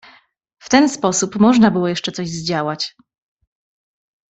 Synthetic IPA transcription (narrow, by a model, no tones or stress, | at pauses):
ft̪ɛnspɔsupmɔʐnabɘwɔjɛʂt͡ʂɛt̪sɔʑzd͡ʑawat͡ɕ